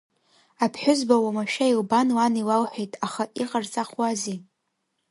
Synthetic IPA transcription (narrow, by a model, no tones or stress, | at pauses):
apʰħʷᶣʊzbawamaʃᶣailbanwaniwawħʷᶣejtʼaχaʔiqʼart͡sʼaχwazi